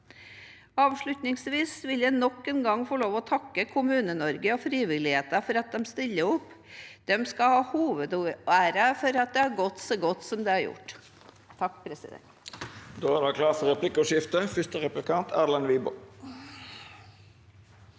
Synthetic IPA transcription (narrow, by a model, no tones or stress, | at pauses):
ɑːʋʂɭʉt̪nɪŋsʋiːsʋɪljæɪnɔkːɛnɡɑŋfɔɭoːʋɔt̪ʰɑkːəkʰʊmʉːnənɔɾɡəɔfɾiːʋɪlɪheːt̪ɑfɔɾɑt̪̚d̪ɛmst̪ɪlːəʊpːd̪̥ɛmskɑhɑːhuːʋəd̪æːɾəfɔɾɑt̪̚d̪ɛæɾɡɔt̪ːsoːɡɔt̪ːsɔmd̪ɛæɾjʊ̰ʈː | t̪ʰɑkːpʰɾɛsɪ̰d̪ɛ̰nt̪d̪oːæɾɑkʰlɑːfɔɾʁɛpʰlɪkːʊʂɪft̪əfʏst̪əʁɛplɪkʰɑnt̪ʰæːɾlɑnʋiːbʊ